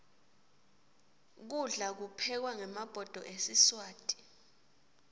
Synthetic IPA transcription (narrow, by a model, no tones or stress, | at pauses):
k̬uɮak̬upʰɛk̬waŋɛmab̥ʱɔd̥ʱɔʔesiswaːtʼi̥